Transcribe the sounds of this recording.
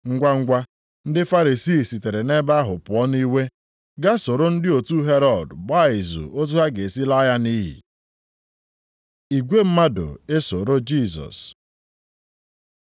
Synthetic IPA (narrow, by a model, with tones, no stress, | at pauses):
ŋ̩˦ɡʷa˦ŋ̩˦ɡʷa˦ | n̩˦dɪ˦fa˦ɾi˨siː˦˨si˨te˨ɾe˨ne˦ba˦a˦ɦʊ˨pʊ˨ɔ˦ni˦we˦ | ɡa˦so˨ɾo˦n̩˦dɪ˦o˨tu˦ɦe˦ɾɔ˨dɡ͡ba˦˨ɪ˨zṵ˨o˦t̬u˦ɦa˦ɡe˨si˦la˦ja˦ni˦ɦḭ˨ | i˨ɡʷe˦m̩˦ma˦do̰˨e˦so˨ɾo˦d͡ʒi˦˨sɔ̰˨s